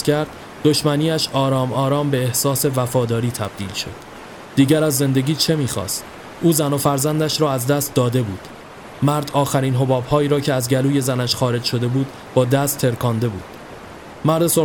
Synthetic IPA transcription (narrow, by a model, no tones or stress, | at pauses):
kʰæɾd̪̥ | d̪o̞ʃmæniːæʃɒːɾɒːmɒːɾɒːmbe̞ːhsɒːse̞væfɒːd̪ɒːɾiːt̪ʰæb̥̚d̪ḭːlʃo̞̰d̪̥ | d̪̥iːɟæɾæzːe̞nd̪e̞ɟʲiːt͡ʃʰe̞miːxɒ̰ːst̪ | ʔuːzænofæɾzænd̪æʃɾɒːæzd̪æst̪̚d̪ɒːd̪e̞buːd̪̥ | mæɾd̪ɒːxæɾiːnɦo̞bɒːbhɒːiːɾɒːcʰeæzɟæluːje̞zænæʃxɒːɾe̞d͡ʒʃo̞d̪e̞buːd̪ | bɒːd̪æst̪ʰːe̞ɾkʰɒːnd̪e̞bṵːd̪̥ | mæɾd̪e̞so